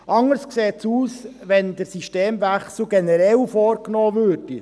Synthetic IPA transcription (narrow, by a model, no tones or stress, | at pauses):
ʔɑŋəɾskseːtsuːsʋɛnd̪əɾsiʃteːmʋæχsl̩ɡɛnɛɾɛlfɔːɾknɔːʋøːɾd̥i